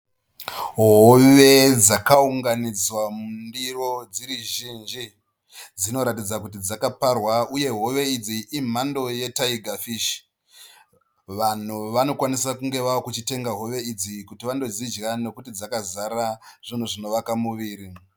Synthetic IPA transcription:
ɦoʋe̞d͡zakauŋɡanid͡zwamundiro̞d͡ziɾiʒind͡ʒi | d͡zino̞ɾatid͡zakut̬id͡zakaparwauje̞ɦo̞ʋe̞id͡ziʔim̤ando̞je̞taiɡʱafiʃi̥ | ʋan̤uʋano̞kwanisakuŋɡe̞ʋaokut͡ʃite̞ŋɡaɦo̞ʋe̞id͡zikutiʋando̞d͡zid͡ʒɣane̞kutid͡zakazaɾaʐ̥in̤uʐino̞ʋakamuʋiːɾi

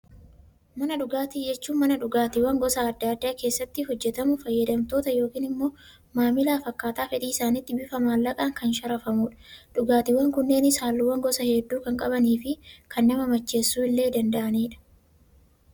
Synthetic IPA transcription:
mɐnɐᶑʊɡaːt̪id͡ʒɛt͡ʃːuːnmɐnɐᶑʊɡaːt̪ɪwːɐŋɡɔsaːd̪ːaːd̪ːaːke̞ːsːɐt̪ːɪhɔd͡ʒːɛt̪ɐmʊfɐjːɛd̪ɐmt̪o̞ːt̪ɐjo̞ːkiːnɪmːo̞ː | maːmɪlaːfɐkːaːt̪aːfɛᶑ̪iːɪsaːnɪt̪ːɪbɪfɐmaːlːɐkʼaːŋkɐnʃɐɾɐfɐmuːᶑɐ̥ᶑʊɡaːt̪ɪwɐŋkʊnːe̞ːnɪshaːlːʊwːɐŋɡɔsɐhɛd̪ːuːkɐŋkʼɐbɐniːfɪkʰɐnːɐmɐmɐt͡ʃːe̞ːsːuːɪlːe̞ːd̪ɐnd̪ɐʔɐniːᶑɐ̥

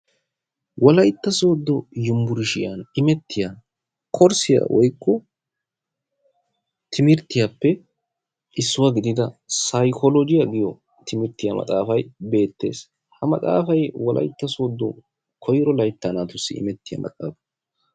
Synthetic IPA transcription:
wɔlɐjt̪ːɐso̞ːd̪ːɔjʊmbʊɾɪʃɪjanɪmɛt̪ːɪja | kʰɔɾsɪja̰wɔjkːɔ | t̪ʰɪmɪɾt̪ːɪjapːɛ | ʔɪsːʊwaɡɪd̪ɪd̪ɐsɐjkʰɔlɔd͡ʒɪjɐɡɪjɔ | t̪ʰɪmɪɾt̪ːɪjamɐ̰t̪ʼaːfɐjbe̞ːt̪ːe̞̰ːs | hɐmɐt̪ʼa̰ːfɐjwɔlʔɐ̰jt̪ːɐso̞ːd̪ːɔ | kʰɔjɾɔlɐjt̪ːanaːt̪ʊsːɪ̰ɪ̰mɛt̪ːɪjɐ̰mʔɐ̰t͡sʼa̰ːfɐ̥

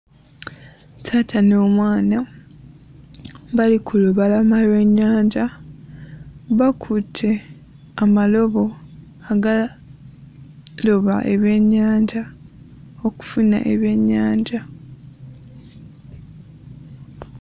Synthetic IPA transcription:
tʰaːtʰano̞ːmwaːna | βalikʰuloβalamaleɲːaːɲɟa | βakʰutʰe̞ | amalo̞βo̞ | aɡa | lo̞βaʔḛβje̞ɲːaːɲɟa | oku̥funa̰ʔe̞βje̞ɲːaːɲɟa

